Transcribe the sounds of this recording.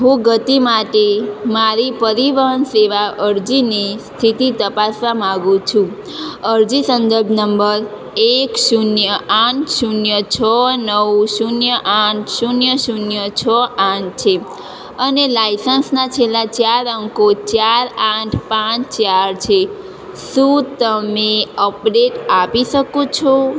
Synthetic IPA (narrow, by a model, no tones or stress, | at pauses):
ɦũɡət̪imaʈemaɾipəɾiʋəɦənseʋaʔəɾd͡ʒinist̪ʰit̪it̪əpasʋamãɡũt͡ʃʰũ | əɾd͡ʒisənd̪əɾbʱnəmbəɾ | eksunjəãʈsunjət͡ʃʰənəwsunjəʔãʈʰsunjəʃunjət͡ʃʰəʔãʈt͡ʃʰe | ənelajsənsnat͡ʃʰelːat͡ʃaɾəŋkot͡ʃaɾãʈʰpãt͡ʃʰt͡ʃaɾt͡ʃʰe | sũt̪əmeəpɖeʈapiʃəkõt͡ʃʰo